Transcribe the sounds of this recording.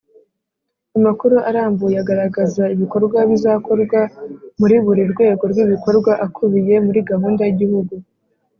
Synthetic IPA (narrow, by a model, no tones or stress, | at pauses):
amakuɾuʔaɾaːmbujaɡaɾaɡazaiβiko̞ɾɡwaβizako̞ɾɡwamuɾiβuɾiɾɡwe̞ːɡo̞ɾɡiβiko̞ɾɡwaʔakʰuβije̞muɾiɡahuːndajiɟihuɡu